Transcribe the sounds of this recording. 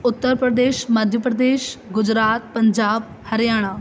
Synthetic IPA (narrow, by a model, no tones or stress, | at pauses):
ʊt̪ːəɾpɾəd̪eːʃməd̪ʱjəpɾəd̪eːʃɡʊd͡ʑɾaːt̪̚pɐɲd͡ʑaːb̚ | hɐɾjaːɽ̃a